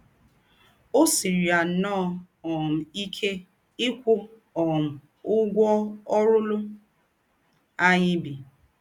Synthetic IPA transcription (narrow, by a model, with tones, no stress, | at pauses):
o˦si˨ɾi˨a˨˦nɔ˦˨ | ɔ˨m̩˨i˦kʰe˦ | ɪ˦kʷʊ˦ | ɔ˨m̩˨ | ʊ˦ɡʷɔ˦ɔ˦ɾʊ˦lʊ˦ | a˦ɲɪ˦bi˨